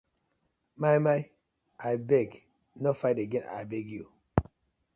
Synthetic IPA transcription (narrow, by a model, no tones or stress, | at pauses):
majmaj | ajbɛɡ | nɔfajdeɡɛna̰jbɛɡju